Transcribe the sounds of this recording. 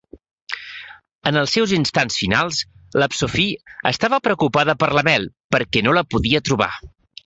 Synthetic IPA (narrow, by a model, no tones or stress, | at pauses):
ənəlˠsːɛwzinst̪ansfinalˠs | ləpsufiə̰st̪aβəpɾəkupaðəpəɾləmɛlˠpəɾkɛnoləpuðiət̪ɾuβa̰